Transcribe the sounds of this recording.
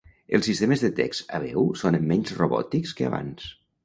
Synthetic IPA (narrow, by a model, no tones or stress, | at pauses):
əlˠsist̪eməzðət̪ɛksaβɛwsonəmːɛɲzroβɔ̰t̪ikskəa̰βa̰ns